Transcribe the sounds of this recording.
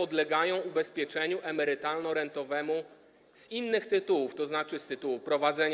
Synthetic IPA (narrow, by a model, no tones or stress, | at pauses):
ɔd̪lɛɡajɔ̃w̃ubɛspʲjɛt͡ʂɛɲuʔɛmɛɾɘt̪alnɔɾɛnt̪ɔvɛmu | z̥inːɘxt̪ɘt̪uwuft̪ɔznat͡ʂɘst̪ɘt̪uwufpɾɔvad̪zɛɲ